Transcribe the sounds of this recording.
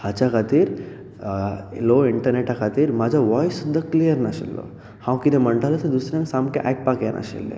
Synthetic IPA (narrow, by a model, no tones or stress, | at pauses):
hat͡ʃakʰat̪iɾ | loiɳʈəɾneʈakʰat̪iɾmad͡ʒaʋɔjsud̪ʱːaklijəɾnaʃḭlːo̰ | hãwkid̪emɐɳʈalased̪usɾãŋsamkeʔɛk̚pakenʔa̰ʃḭlːḛ